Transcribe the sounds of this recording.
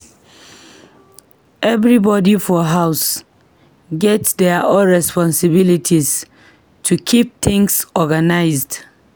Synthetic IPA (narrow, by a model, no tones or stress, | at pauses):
ɛvɹibɔdifɔɦaʊs | ɡɛtdɛʔɔɹɛspɔ̃nsɪbilitʰis | tʰukʰip̚θɪ̃ŋsɔɡanaɪzd